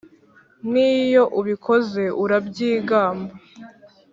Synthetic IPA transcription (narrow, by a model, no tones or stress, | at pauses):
nijo̞ʔuβikʰo̞ze̞ʔuɾabɟiːɡaːmba